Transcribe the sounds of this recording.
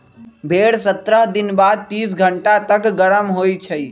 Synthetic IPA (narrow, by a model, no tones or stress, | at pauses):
bʱeːɽsət̪ɾəɦd̪inbaːd̪̚t̪iːs̬ɡʱəɳʈat̪əkɡəɽəmɦojt͡ʃʰəj